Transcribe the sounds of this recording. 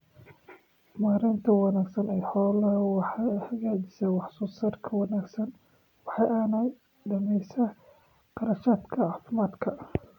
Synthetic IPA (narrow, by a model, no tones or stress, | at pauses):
maːɾɪnt̪ʰɐwɑnaːɡsɐnɛjħɔːlɐwɑħhɐɣaːt͡ʃɪ̥sɐwɑħsuːsɐrkʰɐwɑnaːɡsɐn | wɑħɑjɐːnɐj | d̪ɐmɛjsɐ | qɑɾɐʃaːd̪kʰɐɑːfɪmaːd̪kʰɐ